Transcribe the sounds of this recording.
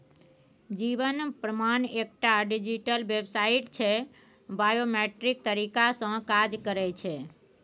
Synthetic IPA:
d͡ʒiʋənpɾəmanek̚ʈaɖid͡ʒiʈəlʋebsaiʈt͡ʃʰe | bajomeʈɾik̚t̪əɾikasə̃kad͡ʒkəɾet͡ʃʰe

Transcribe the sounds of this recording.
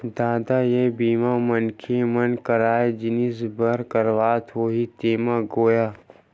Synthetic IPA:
d̪aːd̪ajebiːmamənkʰemənkəɾaːed͡ʒɪnisbəɾkəɾʋaːt̪ʰoːɦit̪eːmaɡoːjaː

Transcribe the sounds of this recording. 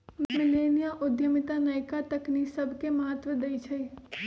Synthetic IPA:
mɪlenijaʔʊd̪jəmit̪anəjkat̪əknisəbʱkeməɦət̪ʋəd̪əjt͡ʃʰe

